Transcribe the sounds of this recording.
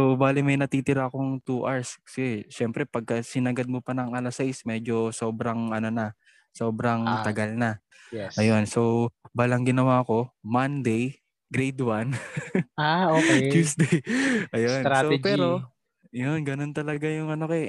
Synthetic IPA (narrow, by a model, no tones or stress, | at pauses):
sowbaːlɪmɐjnɐt̪iːt̪ɪɾaʔɐko̞ŋt̪uʔaɹskɐ̥sɪʃɛmpɾɛpɐɡ̚kɐsɪnɐɡad̪̚mopɐnɐŋɐlɐsajsmɛd͡ʒo̞so̞ːbɾɐŋʔɐno̞nɐ | so̞ːbɾɐŋt̪ɐɡɐlnɐ | ɛʔɐjonso̞baːlɐŋɡɪnɐwaːko̞mɐnd̪ej | ɡɾejd̪wan | aot͡ʃuːsd̪ejʔɐjonsopɛːɾo̞ | jonɡɐno̞nt̪ɐlɐɡajʊŋɐnokɛ